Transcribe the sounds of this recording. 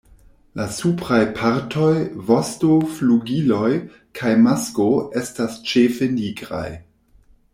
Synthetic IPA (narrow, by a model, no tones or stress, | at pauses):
lasupɾajpʰaɾtʰo̞jvostofluɡilo̞j | kʰajmaskoe̞stast͡ʃefe̞niɡɾa̰j